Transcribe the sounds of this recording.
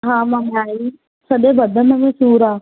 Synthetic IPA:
ɦãːmãmẽaːiː | səɗebəd̪əmə̃mẽsuːɾaː

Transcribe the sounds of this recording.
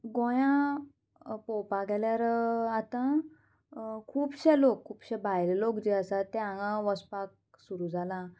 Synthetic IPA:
ɡojã | pɔpaɡɛljaɾat̪ã | kʰuːbɕɛlokʰːuːbɕɛbʱajllokd͡ʑeəsat̪ːeãŋãʋəspak̚ | suɾuːd͡zʱalã

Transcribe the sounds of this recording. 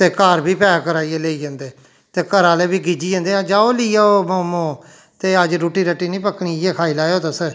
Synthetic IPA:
t̪eːkaːɾbʱiːpɛːkəɾaːieleːiːd͡ʒãːnd̪eː | t̪eːkəɾãːleːbiːɡid͡ʒiːə̃ːnd̪eːɦãːd͡ʒaːoːlɪiːaːoːmoːmõː | t̪eːəd͡ʒɾuːʈiːɾəʈːiːnĩːpəkɽ̃iːjeːkʰaːiːlaːeoːt̪əsə

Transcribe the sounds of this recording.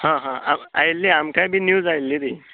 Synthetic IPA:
hãɦãa̰ma̰jlːiamkajbʱiːnjuːd͡zajlːiɾi

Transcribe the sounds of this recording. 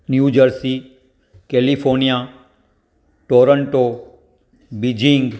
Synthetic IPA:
njud͡ʒəɾsi | kelifʰoɾnija | ʈoːɾəɳʈo | bid͡ʒiŋɡ

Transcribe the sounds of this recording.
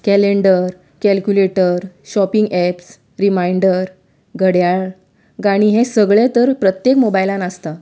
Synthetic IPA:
kɛleɳɖəɾ | kɛlkjuleʈəɾɕɔpiŋɡɛps | ɾimaiɳɖəɾ | ɡʱəɽjaɭ | ɡaɽ̃iɦẽsəɡɭat̪əɾpɾət̪jekmobajlãnəst̪a

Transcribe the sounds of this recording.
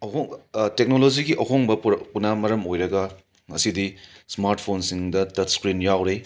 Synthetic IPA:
ɐhoŋtek̚noloziɡiʔɐɦoŋbɐpunamɐɾɐmojɾɐɡɐ | ŋɐsidismaɾt̚pʰonsiŋdɐtɐtskɾinjawɾe

